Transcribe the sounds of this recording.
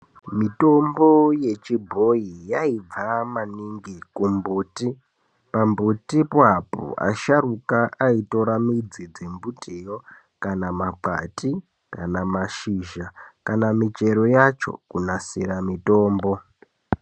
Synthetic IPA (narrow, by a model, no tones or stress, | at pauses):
mito̞mboje̞t͡ʃibʱoijaib͡vamaniŋɡikumbuːti | pambutipapo̰a̰ʃarukaʔaitoɾamid͡zid͡zembutʰʼijo̞ | kanamaǃa̰ti | kanamaʃiʒakanamit͡ʃe̞ɾo̞jat͡ʃo̞̰kunasiɾamito̞ːmbo̞